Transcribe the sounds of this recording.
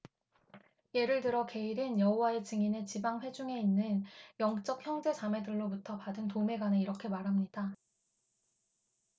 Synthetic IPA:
je̞ɾɯɭtɯɾʌke̞iɾɯnjʌɦowae̞t͡ɕɯŋinet͡ɕibaŋɸwe̞d͡ʑuŋe̞inːɯnjʌŋt͡ɕ͈ʌk̚çjʌŋd͡ʑe̞t͡ɕame̞dɯɭːobutʰʌpadɯntome̞ɡwanɯiɾʌkʰe̞maɾɦamɲida

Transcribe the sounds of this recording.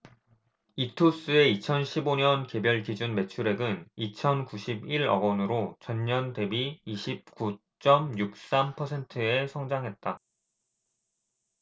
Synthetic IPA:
itʰos͈ɯe̞it͡ɕʰʌnɕʰiboɲʌnke̞bjʌɭkid͡ʑunme̞t͡ɕʰuɾe̞ɡɯnit͡ɕʰʌnkuɕʰibiɾʌ̰ɡʌnɯɾot͡ɕʌɲɲʌnte̞biːɕʰip̚k͈u | t͡ɕ͈ʌmjuk̚s͈ampʰʌsʰe̞ntʰɯe̞sʰʌŋd͡ʑaŋɦe̞t̚t͈a

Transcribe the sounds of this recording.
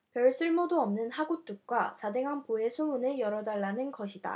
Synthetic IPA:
pjʌɭs͈ɯɭmodoʌmnɯnhaɡut͈uk̚k͈wasadeŋɦanpoe̞sʰounɯɭjʌɾʌdaɭːanɯnɡʌɕʰida̰

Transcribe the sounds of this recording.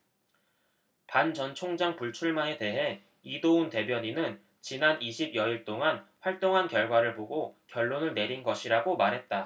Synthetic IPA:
pant͡ɕʌnt͡ɕʰoŋd͡ʑaŋpuɭt͡ɕʰuɭmane̞te̞ɦe̞ | idounte̞bjʌɲinɯn | t͡ɕinaniɕʰibjʌiɭt͈oŋanɸwaɭt͈oŋɦankjʌɭɡwaɾɯɭpoɡokjʌɭːonɯɭne̞ɾinɡʌɕʰiɾaɡomaɾɦe̞t̚t͈a

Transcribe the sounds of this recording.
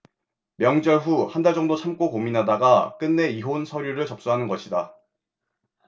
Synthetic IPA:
mjʌŋd͡ʑʌɭɸuhandaɭd͡ʑʌŋdot͡ɕʰamk͈okominɦadaɡak͈ɯnːe̞iɦonsʰʌɾjuɾɯɭt͡ɕʌp̚s͈uɦanɯnɡʌɕʰida

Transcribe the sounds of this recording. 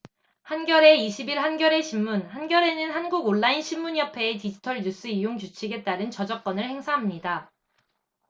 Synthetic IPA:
hanɡjʌɾe̞iɕʰibiɭɦanɡjʌɾe̞ɕʰimːunhanɡjʌɾe̞nɯnɦanɡuɡoɭːainɕʰimːuɲjʌpʰe̞ːtid͡ʑitʰʌɭɲus͈ɯijoŋk̬ut͡ɕʰiɡe̞t͈aɾɯnt͡ɕʌd͡ʑʌk̚k͈ʌnɯɭhe̞ŋsʰaɦamɲida

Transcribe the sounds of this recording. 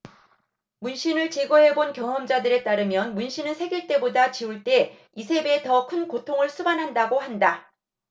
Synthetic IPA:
munɕʰinɯɭt͡ɕe̞ɡoɦe̞bonkjʌŋɦʌmd͡ʑadɯɾe̞t͈aɾɯmjʌnmunɕʰinɯnsʰe̞ɡiɭt͈e̞bodat͡ɕiuɭt͈e̞ | isʰe̞be̞tʌkʰɯnkotʰoŋɯɭs͈ʰubanɦandaɡoɦanda

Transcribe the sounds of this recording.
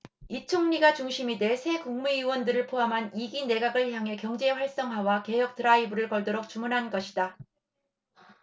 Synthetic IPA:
it͡ɕʰoŋɲiɡat͡ɕuŋɕʰimide̞sʰe̞kuŋmuiwʌndɯɾɯɭpʰoamɦaniɡine̞ɡaɡɯɭçjaŋɦe̞kjʌŋd͡ʑe̞ɸwaɭs͈ʌŋɦwawake̞jʌk̚t͈ɯɾaibɯɾɯɭkʌɭdoɾok̚t͡ɕ͈umunɦanɡʌɕʰida

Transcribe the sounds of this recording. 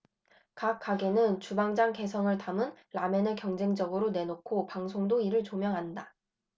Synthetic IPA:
kakk͈aɡe̞nɯnt͡ɕubaŋd͡ʑaŋke̞s̬ʰʌŋɯɭtamɯnɾame̞nɯɭkjʌŋd͡ʑe̞ŋd͡ʑʌɡɯɾone̞nokʰopaŋsʰoŋdoiɾɯɭt͡ɕomjʌŋɦanda

